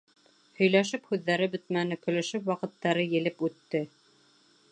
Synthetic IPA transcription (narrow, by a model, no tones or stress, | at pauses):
hɵ̆jlæʃɘphʉðːæɾɘbɘt̪mænɘkɵ̆lɵ̆ʃɘpwɑqɤ̆t̪ːɑɾɤjɘ̆lɘpʉt̪ːɘ